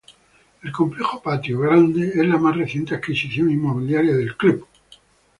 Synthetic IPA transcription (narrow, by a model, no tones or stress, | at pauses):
e̞lko̞mplexopat̪joɣɾand̪eezlamazreθje̞nt̪eakisiθjoŋimːoβ̞iljaɾjaðe̞lklup